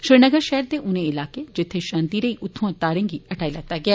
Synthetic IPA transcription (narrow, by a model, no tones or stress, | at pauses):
ʃɾɪɾnəɡəɾʃɛɦəɾd̪eːʔʊnẽɪlaːked͡ʒɪt̪ʰːeʃãːnt̪iːɾəiːʔʊt̪ʰːõãt̪aːɾẽːŋɡiːɐʈaːilɛːt̪ːaːɡɪaː